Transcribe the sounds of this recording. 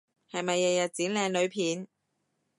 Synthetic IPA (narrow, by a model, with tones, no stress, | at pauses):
hɐ˨jmɐ˨jːɐ˨jɐ˨t̚t͡siː˨˥nlɛː˨˧ŋlɵ˨˧ɥpʰiː˨˥n